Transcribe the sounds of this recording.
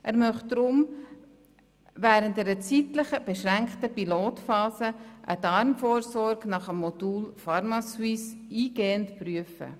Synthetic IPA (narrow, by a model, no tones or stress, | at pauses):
ʔæɾmœχd̥ɾʊm | ʋæːɾənt̚dɛːɾət͡sitləχəb̥eʃɾæŋkχtəpiloːtfɑːsəʔə̰dɑɾmfoːɾsɔɾɡnɑχəmːɔd̥uːlfɑɾmɑswisiːɡ̥eːəntpryəfə̰